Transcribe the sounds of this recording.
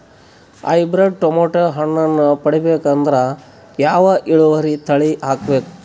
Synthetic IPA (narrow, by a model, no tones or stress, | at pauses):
ɐ̰jbɾeɖ̚ʈomoːʈɐɦɐɳːɐnːupɐɽibeːkɐnd̪ɐɾɐ | jaːʋɐʔiɭuʋɐɾit̪ʰɐɭiʔaːkbeːku̥